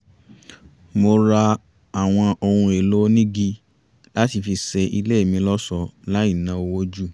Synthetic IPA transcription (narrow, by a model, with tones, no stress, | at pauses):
mo˧ɾa˧ | a˨w̃ɔ̃˧o˧ɾũ˧e˨lo˦nĩ˦ɡi˦ | la˦ti˧fi˧sɛ˧ʔi˧le˦i˦˨mĩ˧˦lɔ˦sɔ˧la˨˦i˦˨nã˨˦o˧wo˦d͡ʒu˦˨